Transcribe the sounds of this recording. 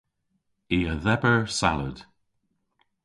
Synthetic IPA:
iːəðɛbəɹsa̰lə̰d̥

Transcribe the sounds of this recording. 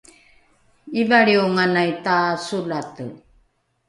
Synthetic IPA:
ivaɭiuŋanajtasulatə̰

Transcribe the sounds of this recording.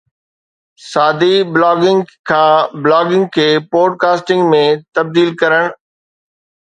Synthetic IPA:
saːd̪iblaːɡɪ̃ŋɡkʰãːblaːɡɪ̃ŋɡ̚kʰeːpoːɖ̚kaːsʈɪ̃ŋɡmẽt̪ɐb̚d̪iːlkɐɾəɽ̃

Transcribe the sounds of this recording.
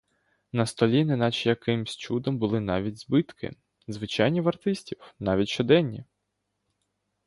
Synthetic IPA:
nɐst̪ɔlʲinɛnɑt͡ʃjɐkɪmsʲt͡ʃud̪ɔmbʊlˠɪnɑʋʲidʲzbɪt̪kʰɪ̰ | zʋɪt͡ʃɑjnʲiʋɐrt̪ɪsʲtʲiwnɑʋʲitʲʃt͡ʃɔd̪ɛnʲːi

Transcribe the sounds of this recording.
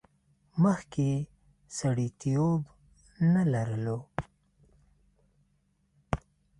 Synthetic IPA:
məxke | saɽit̪ijob | nalaɾəlo

